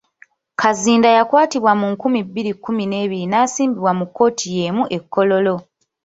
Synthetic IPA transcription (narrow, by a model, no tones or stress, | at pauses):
kʰaziːndajakwaːtiβwamuŋkumibːiɾikːumine̞ːβiɾinaːsiːmbiβwamukːo̞ːtʰije̞ːmuʔe̞kːo̞lo̞lo̞